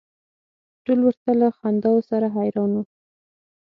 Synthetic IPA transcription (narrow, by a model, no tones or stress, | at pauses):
ʈolwəɾt̪alaxand̪ɑwosaɾaɦajɾɑnwu